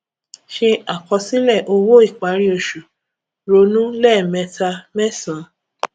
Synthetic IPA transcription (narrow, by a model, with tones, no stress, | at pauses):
ʃi˧a˨kɔ˧si˦lɛ˦˨ʔo˧wo˦i˦˨k͡pa˨˦ɾi˦o˧˨ʃu˨ | ɾo˧˦nũ˦lɛ˦˨mɛ̃˧ta˧mɛ̃˦sã˨˦